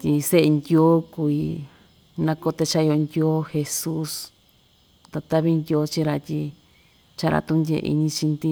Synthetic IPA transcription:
t̪ʲi˧se˦ʔe˧nd̪ʲo˦ku˧˨i˧ | nã˧ko˧t̪e˧t͡ʃa˦˧o˧nd̪ʲo˦xe˧su˦s | t̪a˧t̪a˦βi˦nd̪ʲo˧˦t͡ʃi˦ɾa˧t̪ʲi˧ | t͡ʃa˦˧ɾa̰˧t̪ũ˦ndʲḛ˧ḭ˧ɲĩ˧t͡ʃi˧nd̪i˦˧

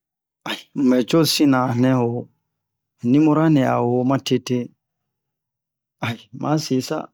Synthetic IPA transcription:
a˨ji˨m̩˨mɛ˨t͡ʃo˦sĩ˦nã˨nɛ̃˦wo˨ | nĩ˦mu˦ɾa˦nɛ̃˨a̰˨wo˨mã˦te˦te˦ | a˨ji˨mʔã̰˨˦si˨sa̰˦

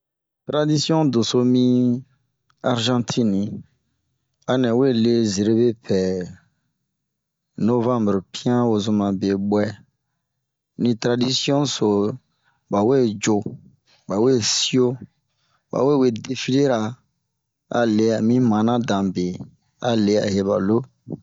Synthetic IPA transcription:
tɾa˦di˦si˦ɔ̃˦do˨so˦mĩ˦ | a˨ɾʒã˦tʰĩ˦nĩ˨ | a˨nɛ̃˨we˦le˦ze˨ɾe˦be˦pʰɛ˨ | no˦vã˦mbɾpĩ˦ã˦wo˨zũ˧mã˨be˨ɓwɛ˦ | nĩ˨tɾa˨di˦si˦ɔ̃˦so˨ | ba˨we˦˨d͡ʒo˨ | ba˨we˦˨si˦o˦ | ba̰˨we˦˨we˨de˦fi˦le˦ɾa˨ | a̰˨le˨a˨mĩ˦mã˨nã˦dã˨be˨ | a˨le˦a̰˨ɦe˨ba̰˨lo˦

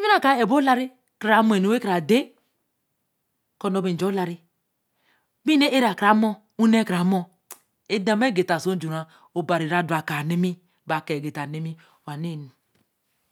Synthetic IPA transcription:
i˦i˦a˨ka˨e˨bo˦la˦ɾi˦ | kɾa˨˦mo˦˨e˨no˨we˦kɾa˨de˦ | ko˦no˦bi˨n̩˨d͡ʒo˦la˨ɾi˦ | bi˦ne˦ʔe˦ɾa˨kɾa˨˦mo˦ | u˦ne˦kɾa˨˦mo˦ | e˦da˨m˦e˦˨ɡe˨ta˨so˦d͡ʒu˨ɾa˨ | o˨ba˨ɾi˨ɾa˨du˨a˨ka˨ne˦mi˦ | ba˨ke˨ɡe˨ta˨ne˦mi˦ | wa˨ne˦˨ni˨

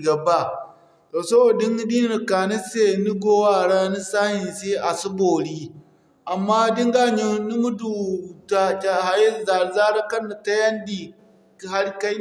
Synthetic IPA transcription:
ɡɐ˨ba˦ | toː˨sɐ˦boː˨dɪ˦ŋ˦di˦ɪ˨kaː˨nɐ˦seː˦˨ni˦ɡoː˦waː˦˨ɽaː˦ni˦saː˦hɪ˨nse˦ʔa˨sʊ˦boː˨ɽiː˦ | ʔa˨mːaː˦dɪ˦ŋɡa˦ɲi˦nu˦mu˦du˨ta˦t͡ʃa˦ha˨jɪ˦˨za˨ɾzaː˦ɽa˦kɐ˦na˨ta˦jɐ˦ndiː˨ | ha˦ɽka˦

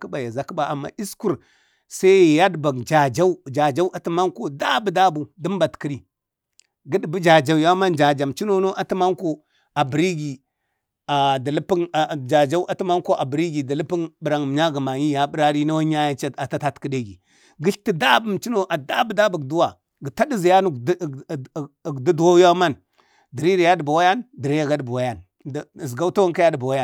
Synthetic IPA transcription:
kə˦ba˨ja˨za˨kə˦ba˨ʔa˨mːa̰˨i˦sku˦˨ɾ | sa˦˨ja˦dba˨ɡd͡ʒa˨d͡ʒa˦u˦d͡ʒa˨d͡ʒa˦u˦a˨ti˦ma˦ŋko˦da˦bu˨da˦bu˨di˦m˦ba˨tki˦ɾi˨ | ɡə˦dbu˦d͡ʒa˨d͡ʒa˨u˨ja˦ma˦nd͡ʒa˨d͡ʒa˨mt͡ʃi˦no˦no˦ʔa˨ti˦ma˦ŋko˦ | a˨bi˨ɾi˦ɡi˨ | a˨da˨lə˦pi˦n˨d͡ʒa˨d͡ʒa˦u˦ʔa˦ti˦ma˦ŋ˦ko˦ʔa˨bi˨ɾi˦ɡi˨di˨lə˦pi˦nbə˨ɾa˨ŋ˨m˨ɲa˦ɡə˨ma˨ɲi˦ja˨bə˦ɾa˦ɾi˦na˦wa˦ɲa˦ja˦t͡ʃa˦a˨ta˦ta˦tkə˦de˦ɡi˨ | ɡi˦ɬti˦da˦bə˨m˨t͡ʃi˦no˦ʔa˨da˦bə˦da˦bu˨ɡdu˦wa˨ | ɡə˨ta˦di˦zi˨ja˦nu˦˨ɡdu˦du˨wa˦ja˦ma˦n | di˨ɾi˦ɾi˨ja˦di˨ba˨wa˦ja˦ndi˨ɾe˦ja˨ɡa˦dbu˨wa˦ja˦n | dzɡa˦u˦ta˦wa˦ŋka˦ja˦də˨ba˨wa˦ja˦˨

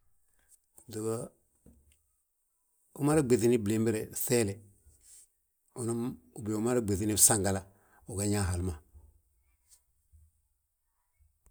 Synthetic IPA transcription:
du˨ɡa˦ | u˦ma˦ɾa˦ɡ͡be˨θi˦ni˦ble˨˦mbi˦ɾe˨θe˦le˨ | u˨nu˦mu˨bi˨u˦ma˦ɾa˦ɡ͡be˨θi˦ni˦sa˦ŋɡa˨la˦ | u˨ɡa˦ɲa˦ɦa˨lma˨

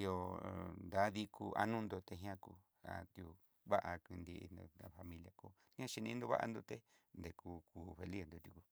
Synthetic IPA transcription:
i˧jo˧nd̪a˨˦ði˧kʰu˧ʔa̰˧nũ˦nd̪o˧t̪e˧ɦĩ˧˦ã˦ku˧ | a̰˧t̪ju˧ | βa˦ʔa˧ki˧nd̪ḭ˧no˧a˧fa˧mĩ˧lja˧ko˧ | ĩ˦ã˦˧ʃi˧nĩ˧nd̪o˧βa˦ʔa̰˧nd̪o˧t̪e˦nd̪e˧ku˧kuː˧fe˧li˦nd̪o˧t̪ju˧ku˧˨

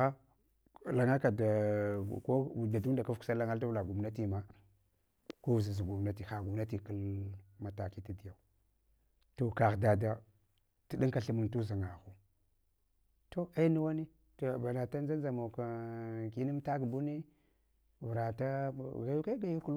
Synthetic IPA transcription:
a˦˨ | la˨ŋa˦ka˨da˨ko˦˨da˨du˦da˨ka˦fsa˦la˦ŋa˦lta˦vla˨ɡu˨m˨na˦ti˦ma˦ | ko˦vza˨za˨ɡu˨m˨na˦ti˨xa˨ɡu˨mna˦ti˨kə˦lma˨ta˨ki˦ti˦di˨ja˨u˨ | to˨ka˨ɣda˨da˦ | ti˨ɗi˦ŋka˨ɬi˦mə˨ŋtu˦za˨ŋa˨xu˦ | to˦a˦nu˦wa˦ni˦ | to˨ba˨na˨ta˦n˦za˦nza˨mo˨ka˨ki˦ni˦mta˦kbu˦ni˦ | vɾa˨ta˦ɡa˦ju˦ka˦ɡa˨ju˦ku˦l

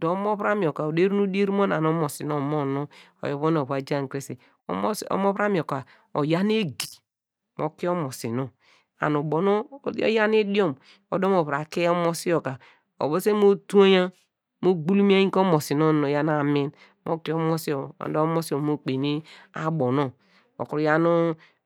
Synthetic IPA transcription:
do˨˦mo˦βɾa˦mi˨o˨ka˨o˨de˦ɾu˦nu˦di˦e˦ɾi˦mo˦na˨n˨o˦mo˨si˨no˦mo˦no˦ | o̰˨jo˨βo˦no˨βa˨d͡ʒa˦˨ŋ˨kɾe˦se˨˦ | so̰˦mo˦βɾa˦mi˨o˨ka˨ | o̰˨ja˦n˦e˦ɡi˨ | mo̰˦ki˦o˦mo˨sḭ˨no˦˨ | a̰˨nu˨bo˨no˦o̰˦ja˦n˦e˦di˦o˦˨m | o̰˨do˦mo˨βɾa˨ke˦o˦mo˦si˦o˨ka˨ | o̰˨bo˦se˦mo˦tu˦o˦ja˦ | mo˦ɡ͡bu˦lu˦m˦a˦ji˦o˦mo˨si˨no˦˨no˨ja˦n˦a˨mi˦n | mo̰˦ki˦o˦mo˦si˦o˨a̰˨ndo˦mo˦si˦o˨mo˦k͡pe˨ni˦a̰˦bo˨no˦ | o̰˨ku˨ɾja˦nu˦

